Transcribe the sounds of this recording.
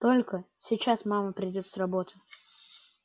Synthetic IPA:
t̪o̞lʲkəsʲɪt͡ɕasmaməpɾʲɪdʲo̞t̪srɐbo̞t̪ɨ̥

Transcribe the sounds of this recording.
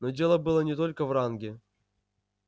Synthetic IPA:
nodʲe̞lˠəbɨlˠənʲɪt̪o̞lʲkəvranɡʲɪ

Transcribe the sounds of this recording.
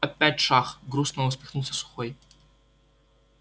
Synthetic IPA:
ɐpʲætʲʂaxɡɾusnɐɔsʲpʲɪxnulˠsʲɐsʊ̥xɔj

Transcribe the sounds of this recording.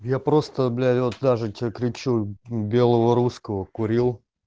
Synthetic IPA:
japɾo̞st̪əblʲævot̪̚d̪aʐɨt̪ʲkɾʲɪt͡ɕubʲe̞lˠəvəɾuskəvəkʊɾʲilˠ

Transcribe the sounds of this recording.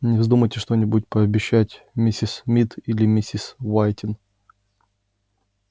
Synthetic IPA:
nʲɪvzd̪uməjtʲɪʂt̪o̞nʲɪbʊtʲpəɐbʲɪɕːætʲ | mʲɪsʲismʲit̪ilʲɪmʲɪsʲisvajtʲɪn

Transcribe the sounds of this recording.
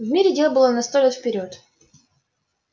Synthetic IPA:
vmʲiɾʲɪdʲelˠəbɨlˠənɐst̪olʲet̪fpʲɪɾʲot̪

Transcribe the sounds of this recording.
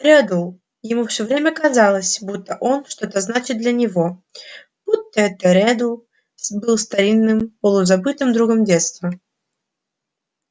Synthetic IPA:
ɾʲɛd̪ulˠ | jɪmufsʲɵvɾʲemʲəkɐzalˠəsʲbut̪ːəʔonʂt̪o̞t̪əznat͡ɕɪt̪̚d̪lʲənʲɪvo̞ | b̥ut̪ːəɛt̪əɾʲɛd̪ulˠ | bɨlˠst̪ɐɾʲinːɨmpəlˠʊzɐbɨt̪ɨmd̪ɾuɡəmdʲet̪st̪və

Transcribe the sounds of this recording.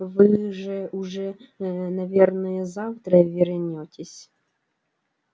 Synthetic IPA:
vɨʐɛʔʊʐɛnɐvʲernəjəzaft̪ɾəvʲɪɾnʲotʲɪsʲ

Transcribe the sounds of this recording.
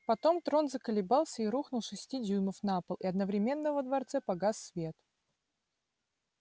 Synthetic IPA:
pɐt̪o̞mt̪ɾo̞nzəkəlʲɪbɑlˠsʲəiɾuxnʊlˠʂɨsʲtʲidʲuməfnapəlˠɪɐd̪nəvɾʲɪmʲe̞nːəvəd̪vɐrt̪sɛpɐɡasːvʲe̞t̪

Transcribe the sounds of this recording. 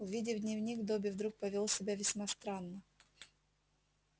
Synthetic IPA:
ʊvʲidʲɪvd̪ʲnʲɪvnʲiɡd̪obʲɪvd̪ɾuk̚pəvʲolˠsʲɪbʲavʲɪsʲmast̪ɾanːə

